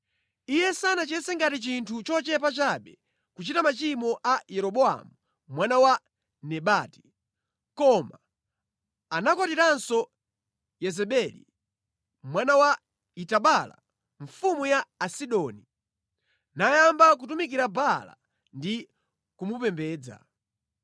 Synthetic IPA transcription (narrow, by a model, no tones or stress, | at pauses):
ijɛsanat͡ʃɛnsɛŋɡatit͡ʃintʰut͡ʃɔt͡ʃɛpat͡ʃaɓɛ | kut͡ʃitamat͡ʃimɔʔajɛɾɔɓɔa̰mu | mwanawa | nɛɓati̥ | kɔma | nakɔtiɾansɔ | jɛzɛɓɛlḭ | mwanawa | itaɓala̰ | ɱfumujaːsiɗɔːni | najambak̬utumik̬iɾabala̰ | ndi | kumupɛmbɛːd͡za̰